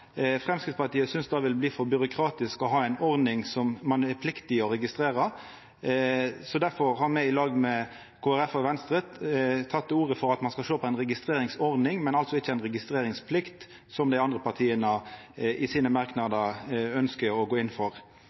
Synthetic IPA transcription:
fʁɛmskɾɪt̪spɑt̪iːəsʏnsd̪ɑːʋɪlbliːfɔɾbʏɾʊkʰɾɑːt̪ɪskɔɦɑːɛɪnɔɾd̪ɪŋsɔmmɑnɛpʰlɪkt̪ɪɔɾɛɡɪst̪ɾeːɾə | sɔd̪æɾfɔʁhɑɾmɛɪɪlɑːɡmɛ | kʰoːæɾɛfɔʋɛnst̪ɾət̪t̪ʰːɑt̪ːuːʁəfɔɾɑt̪mɑnskɑlʃoːpʰɔɛɪnɾɛɡɪst̪ɾeːɾɪŋsɔɾd̪ɪŋmɛnɑlt̪sɔɪçːəæɪnʁɛɡɪst̪ɾeːɾɪŋspʰlɪkt̪ | sɔmd̪æɪɑnd̪ʁəpʰɑʁt̪ʰiːənəʔɪsiːnəmɑɾknɑd̪əœnskəɾɔɡoːɪnːfɔɾ

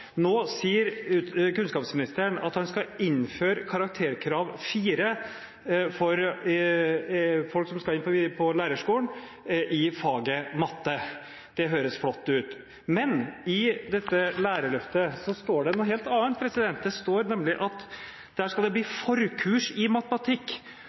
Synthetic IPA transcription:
noːsiːəɾʉkʉnskɑːpsmɪnɪst̪əəɳɑ̰t̪hɑnskɑɪnføːɾkʰɑɾɑk̚t̪ʰeːɾkʰɾɑːʋfiːɾə | fɔɾ | fɔlksɔmskɑɪnpɔpʰɔlæːɾəʂkuːən | ʔɪfɑːɡəmɑt̪ːə | d̪̥ɛɦøːɾəsflɔt̪ːʉːt̪ | mɛnɪd̪ɛt̪ːəlæːɾəɭœft̪əsɔst̪oːɖɛnɔɦeːlt̪ɑːən̚pʰɾɛsɪd̪ɛnt̪̚d̪ɛst̪oːɾnɛmlɪʔɑt̪ | d̪̥æʂkɑld̪ɛbliːfɔɾkʰʉːʂɪmɑt̪əmɑt̪ʰɪkː

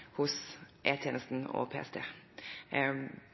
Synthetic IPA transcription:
hʊsʔeːt̪ʰjeːnəst̪n̩ɔ̰pʰḛːɛ̰st̪ʰḛː

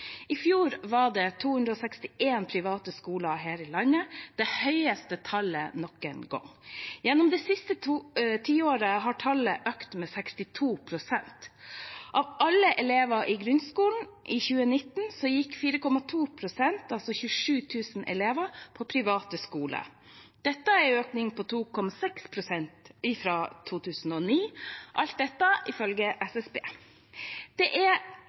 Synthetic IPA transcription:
ɪfjuːɾʋɑɖɛt̪ʰuːhʉnd̪ɾəɔːsɛkst̪ɪeːnpʰɾɪʋɑːt̪əskuːlɑɦeːɾɪlɑnːəd̪̥ɛhœʏəst̪ət̪ʰɑlə̰nɔkɛnɡɔ̰ŋjɛnːɔmd̪ɛsɪst̪ət̪ʰiːoːɾəɦɑʈʰɑləʔøːkt̪mɛːsɛkst̪ɪt̪ʰuːpʰɾʊsɛnt̪ʔɑʋʔɑlːəʔɛleːʋəʔɪɡɾʉnskuːln̩ʔɪçʉːənɪt̪ːn̩sɔjɪkːfiːɾəkɔmɑt̪ʰuːpʰɾʊsɛnt̪ɑlsɔçʉːʂʉːt̪ʰʉːsn̩ʔɛ̰leːʋəpʰɔpʰɾɪʋɑːt̪əskuːlə̰ | d̪̥ɛt̪ːəɛɾøːknɪŋpʰɔt̪ʰuːkʰɔmɑsɛkspʰɾʊsɛnt̪ɪfɾɑːt̪ʰuːt̪ʰʉːsn̩ɔniːʔɑlt̪̚d̪ɛt̪ːɑɪfœlɡəʔɛsɛsbḛː | d̪̥ɛʔɛ

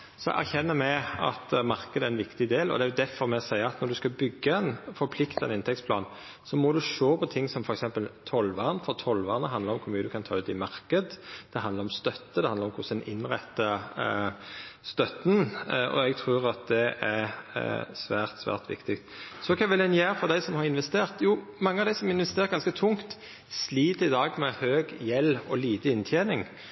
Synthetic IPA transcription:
sɔʔæ̰çɛnːəmɛɑ̰t̪mɑʁkəd̪əæɾɛnʋɪkt̪ɪd̪eːlɔ̰d̪ɛæːjʊd̪æfɔɾmɛsæɪəɑt̪nɔɾd̪ʉskɑbʏɡːəɛnfɔɾpʰlɪkt̪ɑɛnɪnt̪ʰɛktsplɑːn | sɔmɔd̪ʉʂoːpʰɔt̪ʰɪŋːsɔmfɔɾɛksɛmpəlt̪ʰɔlʋɑːʁnfɔʁt̪ʰɔlʋɑːʁnəɦɑnd̪ləɾɔmkʰʊɾmyːəd̪ʉkʰɑnt̪ʰɑːʉːt̪ɪmɑɾkəd̪d̪̥ɛɦɑnd̪ʁɾɔmst̪œt̪ːəd̪ɛhɑnd̪əɾɔmkʰʊsəɛnɪnʁɛt̪ːə | st̪œt̪nɔ̰ɛɡt̪ʰʁʉːɾɑt̪̚d̪ɛʔæɾ | sʋæːʁt̪sʋæ̰ːʁt̪ʋɪ̰kt̪ɪkt̪sɔkʰɑʋɪlɛnjæːɾfɔʁd̪æɪsɔmhɑʁɪnʋɛst̪eːʁt̪juː | mɑŋːəɑʋd̪æɪsɔmɪnʋɛst̪eːʁɡɑnskət̪ʰʊŋt̪ | sliːt̪əɪd̪ɑːɡmɛhøːɡjɛlɔliːt̪əɪnt̪ʰjeːnɪŋ

